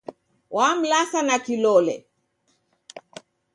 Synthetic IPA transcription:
wʔam̩lasanakilɔlɛ̰

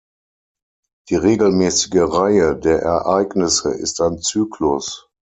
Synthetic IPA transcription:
d̥iːʁeːɡl̩mɛːsɪ̥ɡəʁaɪədeːɐʔɛ̰ɐʔaɪɡnɪsə̰ʔɪ̰staɪnt͡syːklʊs

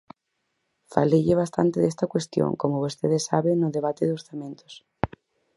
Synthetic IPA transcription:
faleʎeβ̞ast̪a̰nt̪eðest̪akwest̪jõ̰ŋkomoβost̪eðesːaβeŋnːoðeβat̪eðosθamẽnt̪o̥s

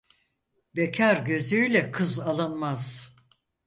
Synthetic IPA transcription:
becʰaɾɟø̞zyjlʲɛkʰɯzalˠɯnmaz̥

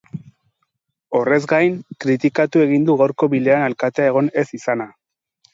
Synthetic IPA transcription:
o̞re̞zɡajnkɾit̪ikat̪ue̞ɣ̞ind̪uɣawɾko̞βile̞analkat̪eae̞ɣ̞o̞ne̞sisana

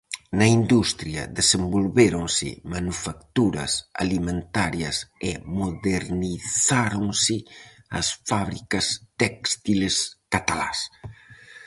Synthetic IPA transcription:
nɐind̪ust̪ɾjɐ̰ðesembolβeɾoŋsɪ̰manufakt̪uɾɐ̰sa̰limẽnt̪aɾjɐsemoðeɾniθaɾoŋsɪ | ɐ̰sfaβɾikɐst̪ɛkst̪ileskat̪ala̰s

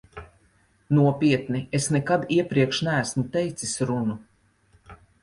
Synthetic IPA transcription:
nuɔpʲiɛt̪niesnɛkad̪iɛpɾiɛkʃnæːsmut̪ɛjt̪sisɾunu

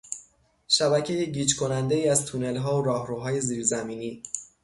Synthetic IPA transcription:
ʃæbæcʰe̞jeɟiːt͡ʃkʰo̞nænd̪e̞iːæzt̪ʰune̞lɦɒːoɾɒːhɾuːɦɒːje̞ziːɾzæmiːniː

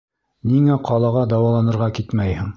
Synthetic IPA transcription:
niŋæqʰɑlˠɑʁɑd̪ɑwɑlˠɑnɤ̆ɾʁɑkit̪mæjhɘɴ

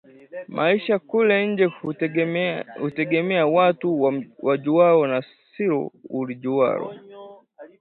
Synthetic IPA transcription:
mʔaiʃakulɛɲ̩d͡ʒɛ | hutɛɡɛmɛawatuwad͡ʒuaɔna | siɾɔ̰ulid͡ʒua̰ɾɔ̰

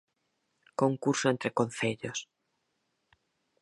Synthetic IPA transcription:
koŋkuɾsoẽnt̪ɾekon̟θeʎos

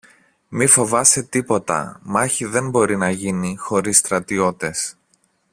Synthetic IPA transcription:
mifo̞vɐse̞t̪ipo̞t̪ɐ̰mɐçiðe̞mbo̞ɾinɐʝinixo̞ɾisːt̪ɾɐt̪io̞t̪e̞s

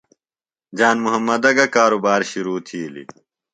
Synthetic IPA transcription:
d͡ʑaːnmuɦɐmːɐd̪ɐɡɐkaːɾubaːɾɕuɾuːt̪ʰiːlḭ

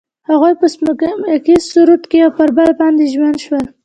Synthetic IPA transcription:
haɣojpəskamakizsuɾut̪keawpəɾbalbɑnd̪eʒmand̪ʃwəl

